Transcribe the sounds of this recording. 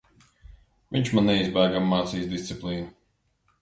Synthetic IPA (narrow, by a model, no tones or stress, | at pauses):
vʲiɲt͡ʃmanːɛizbæːɡamːaːt̪siːsd̪ist̪siplˠiːnu